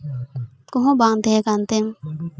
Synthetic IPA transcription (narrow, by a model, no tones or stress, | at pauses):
kɔ̃ɦɔ̃baŋd̪ɛkant̪ɛm